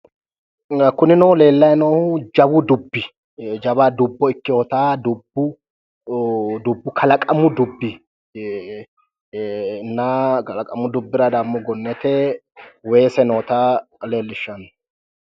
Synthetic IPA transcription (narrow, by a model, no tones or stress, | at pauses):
kʊnɪnɔle̞ːlːɐjnoːhʊd͡ʒɐbʊd̪ʊbːɪ | d͡ʒɐbad̪ʊbːɔɪkːɪjoːt̪aːd̪ʊbːʊ | d̪ʊbːʊkʰɐlɐkʼɐmʊd̪ʊbːɪ | nːakɐlɐkʼɐmʊd̪ʊbːɪɾɐd̪amːɔɡɔnːɛt̪ɛ | weːsɛnoːt̪aleːlːɪʃːɐn